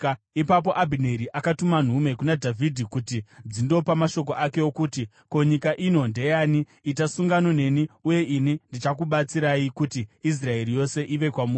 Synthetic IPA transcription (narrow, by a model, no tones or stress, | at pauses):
ipap̬o̞ʔabʱine̞ɾiʔakatuman̤ume̞kunadʱavʱidʱikutid͡zindo̞pamaʃo̞k̬o̞ʔake̞okuːti | ko̞ɲikaʔino̞nde̞jaːniː | tasuŋɡano̞ne̞niuje̞ʔinindit͡ʃakuɓat͡siɾaikutiis̬rae̞ɾijo̞se̞ʔiʋe̞kwamu